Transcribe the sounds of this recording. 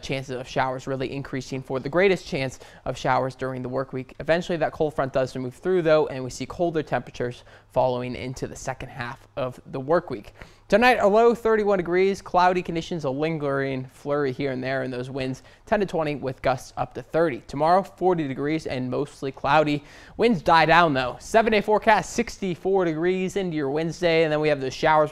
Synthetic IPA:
t͡ʃʰæ̃nsɨzʌv̥ʃaʊə˞zɹɪlˠiʔɨ̃nkʰɹ̥isɪ̃ŋfə˞ðɨɡɹeɪɾɨst͡ʃʰæ̃ns | ʔʌv̥ʃaʊə˞zdʊɹɪ̃ŋðəwɜ˞kwikɨvɛ̃nt͡ʃl̩ˠiðɨt̚kʰoʊl̥ˠfɹʌ̃nd̥ʌz̥mʉv̥θɹʉðoʊʔɨ̃nwisikʰoʊlˠdə˞tʰɛ̃mpɹ̥ɨt͡ʃə˞z̥fɑlˠoʊɪ̃ŋʔɪ̰̃ntʰʉðɨsɛkɨ̃n̩d̚ɦæfʌvðəwɜ˞kwik | tʰɨnaɪɾəloʊθɜ˞ɾiwʌ̃ndɨɡɹiz̥kʰl̥aʊɾikʰɨ̃n̩dɪʃɨ̃n̩zəlɪ̃ŋɡə˞ɪ̃ŋflɜ˞ihiɹɨ̃nðə˞ɨ̃nðoʊzwɪ̃ndz̥ | tʰɛ̃ntɨtʰw̥ɛ̃ɾ̃iwɪðɡʌstsʌ̰p̚tʰɨθɜ˞ɾitʰəmɑɹoʊfɔɹɾidɨɡɹizɨ̰̃nmoʊstˡlikʰl̥aʊɾi | wɪ̃ndzdaɪdãʊ̃nðoʊsɛvɨ̃ndeɪfɔɹkʰæstsɪkstifɔɹɾɨɡɹizɪ̃ndʉjə˞wɛ̃nzdeɪɨ̃nðɨ̃nwiɨvðoʊz̥ʃaʊə˞z

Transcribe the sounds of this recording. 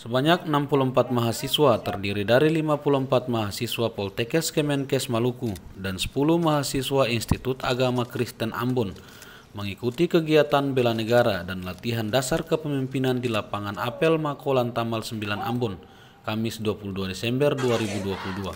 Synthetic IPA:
səbaɲak̚nampuluəmpat̪̚maɦasiswat̪ərdiɾidaɾilimapuluəmpat̪̚maɦasiswapɔlt̪ɛkɛskɛmɛnkɛsmalukudansə̥puluhmaɦasiswainst̪it̪ut̪a̰ɡamakɾist̪ənʔa̰mbɔn | məŋikut̪ikəɡiat̪anbɛlanəɡaɾadanlat̪iɦandasarkəpəmimpinandilapaŋanapɛlmakɔlant̪amalsəmbilana̰mbɔn | kamɪsduapuluduadɛsɛmbərduaɾibuduapuludua̰

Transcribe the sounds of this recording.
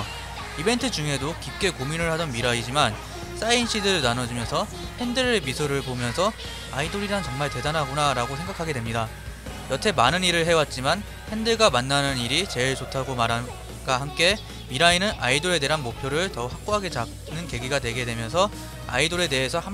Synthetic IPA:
ibe̞ntʰɯd͡ʑuŋɦe̞dokip̚k͈e̞kominɯɭhadʌnmiɾaid͡ʑiman | s͈ainɕ͈idɯɭnanʌd͡ʑimjʌnsʰʌ | he̞ndɯɾmisʰoɾɯɭpomjʌnsʰʌ | aidoɾiɾant͡ɕʌŋmaɭte̞danɦaɡonaɾaɡosʰe̞ŋɡakʰaɡe̞dwe̞mɲida | jʌtʰe̞manɯniɾɯɭɦe̞wat̚t͡ɕ͈iman | he̞ndɯɭɡamanːanɯniɾit͡ɕe̞ɭt͡ɕotʰaɡomaɾɦa | ɡ̥aɦamk͈e̞ | miɾainɯnaidoɾe̞de̞ɦanmopʰjoɾɯɭtʌhak̚k͈oɦaɡe̞t͡ɕa | nɯnke̞ɡiɡadwe̞ɡe̞dwe̞mjʌnsʰʌ | a̰idoɾe̞de̞ɦesʰʌha

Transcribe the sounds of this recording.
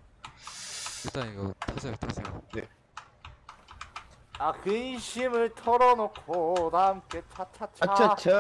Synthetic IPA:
iɭt͈aniɡʌtʰasʰetʰasʰeŋɡa̰ne | akɯnɕʰimɯɭtʰʌɾʌnokʰodaɯmk͈et͡ɕʰat͡ɕʰat͡ɕʰat͡ɕt͡ɕʰ

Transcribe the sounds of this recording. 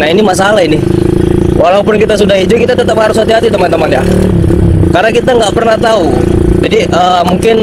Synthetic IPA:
nainimas̬alaini | wʔalaupʊnkit̪as̬udaɦit̪ukit̪at̪ət̪aphaɾʊshat̪iɦat̪it̪əmant̪əmanja̰ | karnakit̪aŋɡaʔpərnaht̪aud͡ʒadiʔəːmuŋkɪn

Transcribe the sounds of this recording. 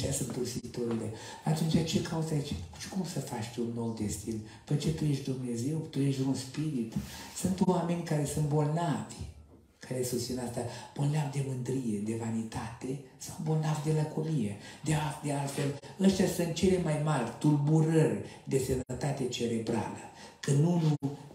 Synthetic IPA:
t̪ʲasɨnt̪t̪ursit̪oɾile̞ | at̪unt͡ʃʲat͡ʃe̞kʰauzait͡ʃet͡ʃkumsəfat͡ʃt̪unːo̞wd̪est̪in | pet͡ʃet̪ujeʃtd̪umne̞ze̞wt̪ujeʃd̪unspiɾit̪sɨnt̪wame̞nʲkaɾe̞sunt̪̚bo̞lnavʲ | kʰaɾesut̪sʲinast̪ab̥olnavd̪e̞mɨnd̪ɾije̞d̪e̞vanit̪at̪e̞ | sawbo̞lnavʲd̪elakʰomijed̪ead̪ealt̪feləst̪ʲjasɨnt̪̚t͡ʃele̞majmarʲt̪ulbuɾərʲd̪e̞sənət̪at̪e̞t͡ʃe̞ɾe̞bɾa̰lə̰ | kənːunu

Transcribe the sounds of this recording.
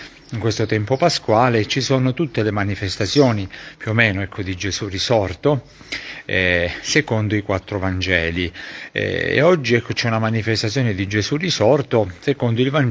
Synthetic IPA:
iŋkwest̪ot̪ɛmpopaskwaːlet͡ʃisonot̪ut̪ːelemanifest̪at̪sjɔːnipjuomeːnoɛkʰːod̪id͡ʒesurisɔrt̪o | ɛsekond̪oikwat̪ːɾovand͡ʒɛːliɛ̰ḛɔd͡ʒːiɛkʰːot͡ʃɛunamanifest̪at̪sːjɔːned̪id͡ʒesurisɔrt̪osekond̪oilvan

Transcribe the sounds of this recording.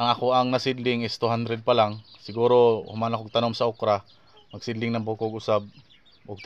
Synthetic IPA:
ʔɐŋakoʔɐŋnɐsɪd̪lɪŋɪst̪uɦand̪ɾɛd̪̚palaŋsɪɡuːɾohʊmanakoɡ̚t̪anomsɐʔʊkɾa | mɐɡsɪd̪lɪŋnɐŋbukoɡʊsab̚ | ʔʊɡ̚t̪

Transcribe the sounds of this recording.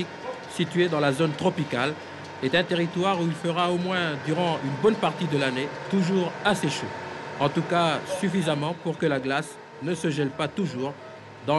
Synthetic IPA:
ik | sit̪ɥed̪ɑ̃lazont̪χɔpikal | ɛt̪ɛ̃t̪eʁit̪waʁuilfəʁaomwɛ̃d̪yʁɑ̃ynbɔnpaʁt̪id̪əlanet̪uʒuʁaseʃoɑ̃t̪ukasyfizamɑ̃puʁkəlaɡlas | nəsəʒɛlpat̪uʒuʁ | d̪ɑ̃

